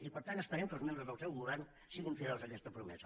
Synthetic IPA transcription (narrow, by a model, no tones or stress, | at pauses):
ipəɾt̪anəspəɾɛmkəlˠmẽmbɾəzðəlˠsɛwɣuβɛrn | siɣiɱfiɾolˠzəkɛst̪əpɾumɛ̰zə